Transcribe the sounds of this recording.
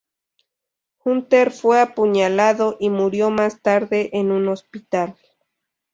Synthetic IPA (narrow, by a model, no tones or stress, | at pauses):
xunt̪eɾfweapuɲalaðo̞ʔimuɾjo̞mast̪aɾðeʔenunospit̪al